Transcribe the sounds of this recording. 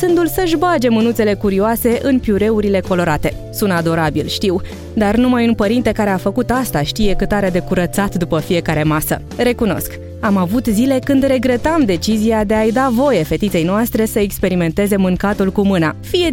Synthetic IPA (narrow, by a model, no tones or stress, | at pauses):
sɨnd̪ulsəʒbad͡ʒe̞mɨnut̪se̞le̞kuɾioase̞ʔɨnpjuɾe̞uɾile̞ko̞lo̞ɾat̪e̞ | sunt̪ad̪o̞ɾabilʃt̪iw | d̪arnumajunpəɾint̪e̞kaɾe̞afəkut̪ast̪aʃt̪ije̞kɨt̪aɾed̪e̞kuɾət̪sat̪d̪upəfije̞kaɾe̞masə̰ | ɾe̞kuno̞̰sk | amavut̪zile̞kɨnd̪re̞ɡɾe̞t̪amd̪e̞t͡ʃiziad̪e̞ajd̪avo̞je̞fe̞t̪it̪se̞jnoast̪ɾe̞səekspe̞ɾime̞nt̪e̞ze̞mɨŋkat̪ulkumɨnafije